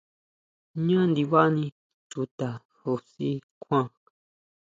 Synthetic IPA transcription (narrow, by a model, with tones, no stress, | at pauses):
ɲã˦nd̪i˧βa˦nĩ˧ | tu˨t̪a˨ | ho˧si˦kʰʷã˦